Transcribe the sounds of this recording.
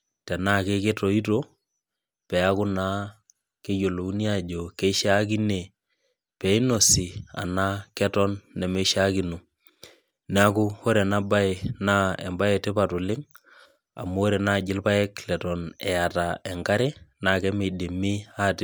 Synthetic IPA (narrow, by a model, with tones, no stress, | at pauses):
tɛ˨naː˦ke˦ke˦tɔ˨i˦to˦ | pɛ˨a˦kʊ˦na˦ | ke˦jo˨lo˨u˦ni˦a˦d͡ʒo˨ke˦ʃa˦k̬i˦ne˨ | pɛ˨i˦no˨si˨a̰˨na˦kɛ˦tɔ˦nːɛ˨me˦ʃa˦ki˨no˨ | na˦kʊ˦ho˦ɾɛ˨na˦ba˦ɪ˨na˦ɛ˨mba˦jɛ˨tɪ˦pa˨tʊ˨lɪ˦ŋ | a̰˨mo˦o˦ɾe˨na˦˨d͡ʒɪ˦lpa˦ɛ˦klɛ˨tɔ˨nɛ˨a˨ta˨ɛ˨ŋka˦ɾɪ˦na˨˦˨kɛ˦me˨de˨mi˦a˦˨tɪ˦